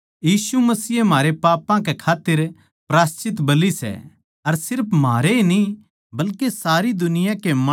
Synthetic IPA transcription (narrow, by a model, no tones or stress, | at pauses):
jiːsumɐsiːem̤aːɾepaːpãk̬ekʰaːt̪ːɪɾ | pɾaːst͡ʃɪt̪bɐlisɛ̰ | ɐɾsɪɾpʰmaːɾeni | bɐlkesaːɾid̪ʊnɪjãkemɐ